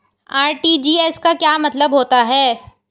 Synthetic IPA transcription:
aːɾʈiːd͡ʒiːɛskakjaːmɐt̪ləbɦoːt̪aɦɛː

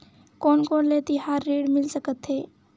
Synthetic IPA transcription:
koːnkoːnlet̪ihaːɾːiːɽmɪlsəkət̪ɦeː

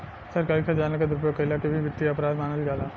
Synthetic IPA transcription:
sɐɾkalkad͡ʒaːnakad̪ɾʊp̬jokɐɪlakebʱiʋɪt̪ːiɐpɾaːd̪maːnəlɡaːlaː

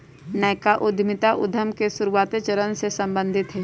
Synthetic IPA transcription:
nɛːkaʔʊd̪ʱmɪt̪aʔʊd̪ʱəmkesʊɾuwaːt̪et͡ʃəɾənsesɐ̃mbə̃nd̪ʱɪt̪ɦɛː

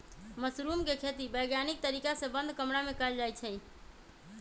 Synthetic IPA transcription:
məsɾumkekʰet̪ibəjɡjanik̚t̪əɾikasẽbənd̪ʱkəmɾamekəeld͡ʒajt͡ʃʰɛ

